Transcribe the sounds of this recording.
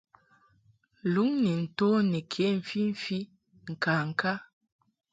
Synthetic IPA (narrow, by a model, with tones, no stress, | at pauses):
lu˨˦ŋni˨n̩˨to˦ni˨kʰe˨˦m̩˨fi˦ɱ̩˦fi˦ | ŋ̩˨ka˨ŋ̩˨ka˦